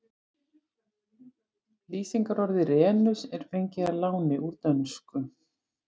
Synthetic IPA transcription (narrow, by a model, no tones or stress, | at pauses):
liːsiŋkaɾɔɾðɪrɛːnʏsɛɾ̥fejɲcɪðaɾlaːwnɪʔuɾt̪œnskʏ